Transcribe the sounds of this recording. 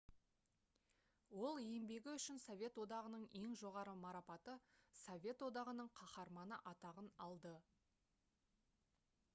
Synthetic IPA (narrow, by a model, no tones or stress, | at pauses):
wo̞lˠejmbe̞ɡʲɪʏʃɪnsovʲe̞t̪wo̞d̪ɑʁənəɴe̞ŋʒo̞ʁɑɾəmɑɾɑpɑt̪əsovʲe̞t̪wod̪ɑʁənəɴqʰɑχɑɾmɑnəʔɑt̪ɑʁənɑlˠd̪ə